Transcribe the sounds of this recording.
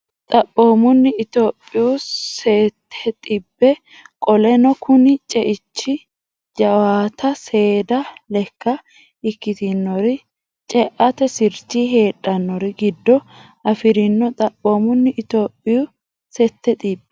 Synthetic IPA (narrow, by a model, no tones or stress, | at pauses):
t̪ʼɐpːo̞ːmʊnːɪɪt̪o̞ːpʼːɪjʊseːt̪ʰːɛt̪ʼɪbːɛ | kʼɔlɛnɔkʰʊnɪt͡ʃʼɛʔɪt͡ʃːɪ | d͡ʒɐwaːt̪ʰɐse̞ːd̪ɐlɛkːɐ | ɪkːɪt̪ɪnːɔɾɪ | t͡ʃʼɛʔɐt̪ɛsɪɾt͡ʃːiɦe̞ːᶑʼːɐnːɔɾɪɡɪd̪ːɔ | ɐfɪɾɪnːɔt̪ʼɐpːoːmʊnːɪʔɪt̪o̞ːpʼːɪjʊ | sɛt̪ːɛt̪ʼibːɛ